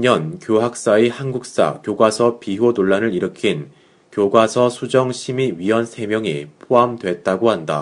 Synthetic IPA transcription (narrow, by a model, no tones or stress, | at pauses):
ɲʌnkjoɦak̚s͈aihanɡuk̚s͈a̰kjoɡwasʰʌpiɦodoɭːanɯɾiɾɯkʰin | kjoɡwasʰʌsʰud͡ʑʌŋɕʰimiɥiʌnsʰe̞mjʌŋipʰoamdwe̞t̚t͈aɡohanda̰